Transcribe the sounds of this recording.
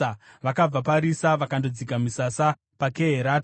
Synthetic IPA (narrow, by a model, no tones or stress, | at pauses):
ʋakab͡vapaɾisaʋakando̞d͡zikamisasa | pakeɦeɾaːt